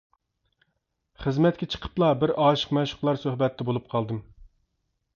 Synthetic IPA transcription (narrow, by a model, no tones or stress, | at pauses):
χəzmɛt̪̚kʲɛt͡ʃʰə̥qʰə̥plˠɑbɪɾɑːʃə̥qmɛwʃʊ̥χqlˠɑɾsøhbɛt̪ʰːɛbolˠup̚qʰɑlˠd̪ɨm